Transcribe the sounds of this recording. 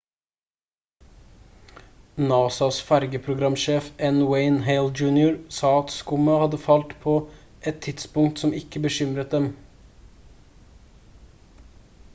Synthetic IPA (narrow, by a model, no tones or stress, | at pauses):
nɑːsɑsfæɾɡəpʰɾʊɡɾɑmʃeːfɛnweɪnɦeɪld͡ʒʉːnɪʊɾsɑːɑt̪skʊməhɑd̪əfɑlt̪pʰoː | ʔɛt̪ʰːɪt̪spʊŋt̪sɔmɪkːəbəʃʏmɾət̪̚d̪ɛm